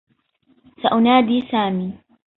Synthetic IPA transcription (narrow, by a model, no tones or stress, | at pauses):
saʔʊnaːd̪iːsaːmiː